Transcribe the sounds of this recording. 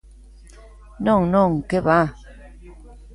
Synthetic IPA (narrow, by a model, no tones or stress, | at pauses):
nɔŋnɔŋ̩keba